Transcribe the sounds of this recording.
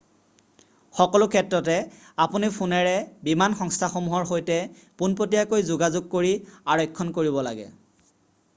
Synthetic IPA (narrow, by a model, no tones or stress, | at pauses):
xɔkɔlʊkʰɛtɹɔtɛ | apunipʰunɛɹɛbimanxɔŋstʰaxomuɦɔɹxojtɛ | punpotijakojzʊɡazʊɡ̚koɹiaɹɔjkʰːɔnkoɹibɔla̰ɡɛ̰